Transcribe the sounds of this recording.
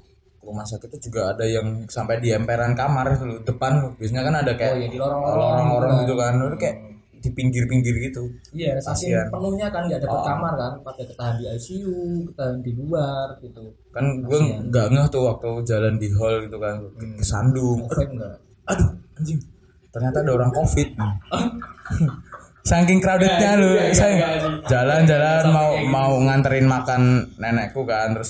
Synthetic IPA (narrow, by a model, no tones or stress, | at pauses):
kəɾumahsakɪt̪ːud͡ʒuɡaːdajaŋsampajdiɛmpeɾankamarit̪ulʊdəpant̪ʊhbias̬aɲakanadakajajadiloɾɔŋoloɾaŋoɾaŋɡit̪ukanlkajaʔ | dipiŋɡɪrpiŋɡɪrɡit̪uijasasianpənuɲakanɡadapəkamarkanpat̪akət̪aɦandiajsiukət̪aɦandiluarɡit̪u | kanɡuaŋɡaʔŋaht̪ʊhwak̚t̪ud͡ʒalandiɦɔlɡit̪ukansa̰ndʊŋt̪ɡa | aduaɲd͡ʒɪŋ | t̪ərɲat̪aːdaoɾaŋkofɪt̪̚nɪ | saŋkɪŋkɾaudɪt̪̚ɲalʊsad͡ʒaland͡ʒalanmaumauŋant̪əɾɪnmakanːenɛʔkukant̪ɾʊs